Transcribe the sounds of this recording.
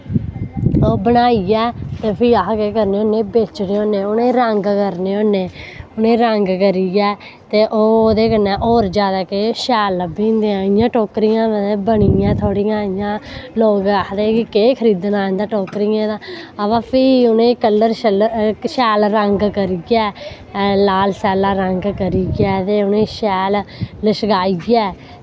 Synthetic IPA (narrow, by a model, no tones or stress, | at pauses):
oːbənaːiɛːt̪eːpʰiːakkeːkəɾneːoːnẽːbeːt͡ʃneːoːnːeːonẽːɾəŋɡkəɾneːõːneːʊnẽːɾəŋɡkəɾiɡɛː | t̪eːʔoːoːd̪eːkənːɛ̃ːʔoːɾd͡ʒjaːd̪aːkeʃɛːlbiːnd̪eːãːɪjãːʈoːkɾiːãːʋəẽːbəɳiːãːt̪ʰoːɽiːãːɪjãːloːɡəkʰd̪eːkɪkeːkʰəɾiːd̪ənãːnd̪aːʈoːkɾiːãːd̪aːəʋaːpʰiːʊnẽːkəlːəɾʃəlʃɛːlɾəŋɡkəɾiːɡɛː | laːlsɛːlaːɾəŋɡkəɾiːɡɛːt̪eːʊnẽːʃɛːlləʃɡaːiːɡɪɛː